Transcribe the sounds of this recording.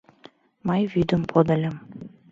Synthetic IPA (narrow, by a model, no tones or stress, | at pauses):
mɑjβyd̪ə̆mpʰod̪ɤ̆lʲɤ̆m